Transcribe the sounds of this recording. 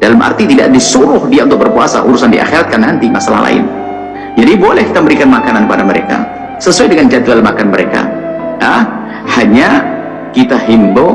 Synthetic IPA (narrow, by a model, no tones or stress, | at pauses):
dalamʔa̰rt̪it̪ida̰ʔdisuɾʊhdiant̪ʊk̚bərpua̰sa̰ʔuɾusandiʔa̰xiɾat̪̚kanant̪imasala̰hla̰ɪ̰n | d͡ʒadibolɛhkit̪ambəɾikanmakanankəpadaməɾeka̰ | səsuajdəŋand͡ʒat̪ualmakanməɾeka̰a | haɲa | kit̪aɦimbo